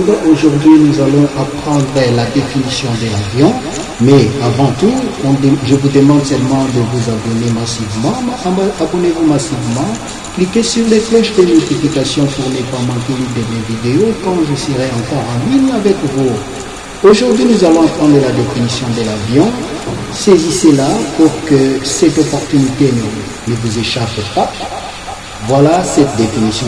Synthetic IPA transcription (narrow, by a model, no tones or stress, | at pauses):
dʔoʒuʁd̪ɥinuzalɔ̃ʔapχɑ̃d̪ʁəlad̪efinisjɔ̃d̪əlavjɔ̃ | mɛavɑ̃t̪uɔ̃ʒəvud̪əmɑ̃d̪sɛlmɑ̃d̪əvuzabɔnemasivmɑ̃abɔnevumasivmɑ̃ | klikesyʁleflɛʃd̪əmyt̪iplikasjɔ̃puʁnəpamɑ̃kelid̪əmevid̪eokɑ̃ʒəsəʁeɑ̃kɔʁɑ̃lynavɛkvu | oʒuʁd̪ɥinuzalɔ̃ɑ̃pχɑ̃d̪ʁəlad̪efinisjɔ̃d̪əlavjɔ̃ | seziselapuʁkəsɛt̪ɔpɔʁt̪ynit̪en | nəvuzeʃappa | vwalasɛt̪̚d̪efinisjɔ̃